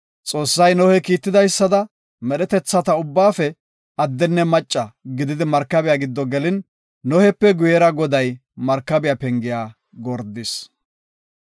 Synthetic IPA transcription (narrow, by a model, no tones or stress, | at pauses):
t͡sʼo̞ːsːɐjnɔhɛkiːt̪ːɪd̪ɐjsːɐd̪ɐ | mɛɗɛt̪ɛt͡sːɐt̪ɐʊbːaːfɛ | ɐd̪ːɛnːɛmɐt͡ʃʼːɐɡɪd̪ɪd̪ɪmɐɾkːɐbɪjaːɡɪd̪ːɔɡɛlɪnː | ɔhɛpːɛɡʊjɛɾɐɡɔd̪ɐjmɐɾkːɐbɪjapɛŋɡɪjaː | ɡɔɾd̪ɪs